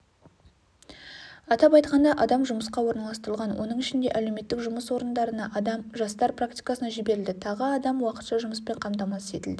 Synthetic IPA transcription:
ɑt̪ɑpɑjt̪̚qɑnd̪ɑʔɑd̪ɑmʒʊməsqɑwo̞ɾnɑlˠɑst̪əɾəlˠʁɑnwʔo̞̰nəɴɪʃɪnd̪e̞̰ʔæle̞wme̞t̪ːɪkʒʊməswo̞ɾənd̪ɑɾənɑʔɑd̪ɑmʒɑst̪ɑɾprakt̪ijkɑsənɑʒɪbe̞ɾɪld̪ɪt̪ʰɑʁəɑd̪ɑmwɑqət̪ʃɑʒʊməspe̞ɴqʰɑmt̪ɑmɑsəse̞t̪ɪld̪ɪ

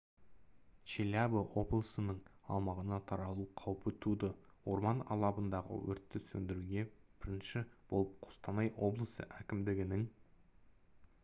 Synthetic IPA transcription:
t͡ʃelʲabəwo̞blˠəsənəɴɑ̰lˠmɑʁənɑt̪ʰɑɾɑlˠuqʰɑwpət̪ʰud̪əwo̞ɾmɑnɑ̰lˠɑbənd̪ɑʁə̰wɵ̰ɾt̪ːɪsɵnd̪ɪɾuɡʲe̞b̥ɪɾɪnʃɪb̥o̞̰lˠəp̚qʰʊ̥st̪ɑnɑjwo̞blˠəsə̰ʔækʲɪmd̪ɪɡʲɪnɪŋ

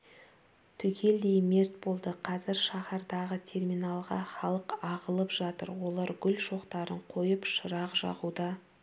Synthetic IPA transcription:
t̪ʰʏkʲʰe̞ld̪ejme̞rt̪̚bo̞lˠd̪əqʰɑzɪɾʃɑχɑɾd̪ɑʁət̪ʲʰe̞rmijnɑlˠʁɑ̰χɑlˠəqɑʁəlˠəpʒ̥ɑt̪ə̰ɾwo̞lˠɑɾɡʲʏlʃo̞qt̪ɑɾəɴqʰo̞jəpʃəɾɑqʒɑ̰ʁud̪ɑ

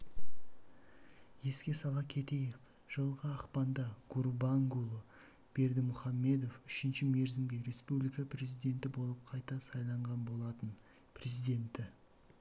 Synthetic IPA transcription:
je̞skʲe̞sɑlˠɑkʲʰe̞t̪e̞jek̚ | ʒ̥əlˠʁəːqpɑnd̪ɑɡ̥uɾbɑŋɡulˠə | b̥e̞ɾd̪ɪmʊχɑmːe̞d̪o̞fʏʃɪnʃɪme̞ɾzɪmɡʲe̞ɾe̞spublijkɑpʰre̞zijd̪e̞nt̪ɪbo̞lˠəp̚qʰɑjt̪ɑsɑjlˠɑɴʁɑnbo̞lˠɑt̪ən | pʰre̞zijd̪ʲe̞nt̪ɪ

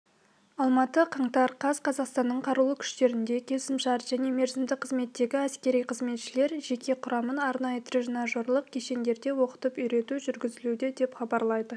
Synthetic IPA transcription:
ɑlˠmɑt̪əqʰɑɴt̪ɑɾqʰɑz̥qʰɑzɑqst̪ɑnːəɴqʰɑɾulˠəkʲʰʏ̥ʃt̪e̞ɾɪnd̪e̞kʲʰe̞sɪmʃɑɾʒ̥æne̞me̞ɾzɪmd̪ɪqʰəzme̞t̪ːe̞ɡʲɪæskʲe̞ɾijqʰəzme̞t̪ʃɪle̞ɾʒe̞kʲʰe̞qʰʊɾɑmənɑɾnɑjət̪ʰɾʲɪʒnɑʒoɾlˠəq̚kʲʰe̞ʃe̞nd̪e̞ɾd̪e̞wo̞qə̥t̪əpʏjɾe̞t̪uʒʏɾɡʲɪzɪlud̪ɪd̪e̞pχɑbɑɾlˠɑjd̪ə

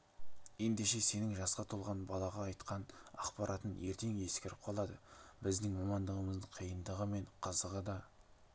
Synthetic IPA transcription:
je̞nd̪e̞ʃe̞se̞nɪŋʒɑsqɑt̪ʰolˠʁɑnbɑlˠɑʁɑːjt̪qɑnɑ̰qpɑɾʔɑt̪əne̞ɾt̪e̞ŋe̞skʲeɾɪp̚qʰɑlˠɑd̪əbɪzd̪ɪŋmɑmɑnd̪əʁəməzd̪əqʰijənd̪əʁəme̞ɴqʰəzəʁəd̪ɑ

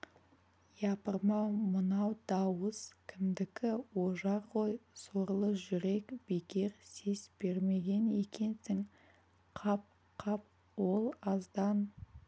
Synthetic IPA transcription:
jɑpəɾmɑwmənɑwd̪ɑwəz̥kʲʰɪmd̪ɪkʲɪwo̞ʒɑɾʁo̞jso̞ɾlˠəʒʏɾe̞kb̥e̞kʲe̞ɾse̞sb̥e̞ɾme̞ɡʲe̞ne̞kʲe̞nsɪŋ | qʰɑp̚ | qʰɑp̚ | wo̞lˠɑzd̪ɑn

